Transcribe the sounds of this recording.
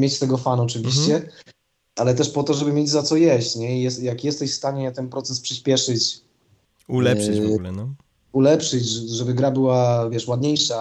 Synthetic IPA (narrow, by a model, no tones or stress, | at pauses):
mjet͡ɕt̪ɛɡɔfanɔt͡ʂɘvʲiɕt͡ɕɛ | alɛt̪ɛʂpɔt̪ɔʐɛbɘmʲjed͡ʑzat̪sɔjɛɕt͡ɕɲɛijɛjakjɛst̪ɛɕfst̪aɲɛt̪ɛnpɾɔt̪sɛspʂɘɕpʲjɛʂɘt͡ɕ | ul | ulɛpʂɘt͡ɕʐɛbɘɡɾabɘwavʲjɛʂwad̪ɲejʂa